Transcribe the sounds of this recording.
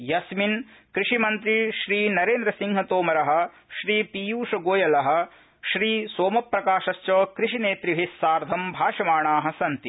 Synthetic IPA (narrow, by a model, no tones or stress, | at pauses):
jɐsminkɾiʂimɐnt̪ɾiʃɾiːnɐɾeːnd̪ɾɐsiŋɦɐt̪oːmɐɾɐɦɐ̆ | ʃɾiːpijuːʂɐɡoːjɐlɐɦɐ̆ | ʃɾiːsoːmɐpɾɐkaːʃɐst͡ʃoːkɾiʃineːt̪ɾiʋʱisːaːɾd̪ʱɐmbʱaːʂɐmaːɳaːɦɐ̆sɐnt̪i